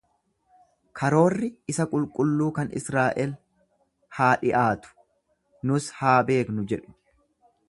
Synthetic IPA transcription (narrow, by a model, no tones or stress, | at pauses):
kʰɐɾo̞ːrːɪɪsɐkʼʊlkʼʊlːuːkɐnɪ̰sɾaːʔɛl | haːᶑɪʔaːt̪ʊ̥ | nʊshaːbe̞ːknʊd͡ʒɛᶑʊ̥